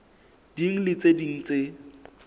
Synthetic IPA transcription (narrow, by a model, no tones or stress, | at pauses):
d̥iŋ̩lɪt͡sʼediŋ̩t͡sʼe